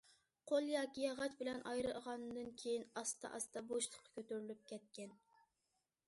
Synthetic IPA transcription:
qʰolˠjɑːkʲijɑʁɑt̪bɪlɛnʔɑjɾɨʁɑnd̪ɨnkʲʰejinɑst̪ɑ̰ʔɑst̪ɑboʃt̪ˠə̥qʰːɑ̥kʲʰøt̪yɾylyp̚kʲʰɛt̪̚kʲɛn

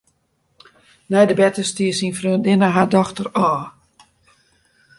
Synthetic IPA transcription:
nɛjdəbɛtəstiəsinfrøːndɪnəɦadɔxtərɔː

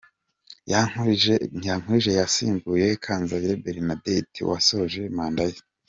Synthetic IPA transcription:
jaŋuʒenijaŋhuɾiʒe̞jasiːmbujekʰaːnzajebeɾinadetḭwasoʒemaːndaje

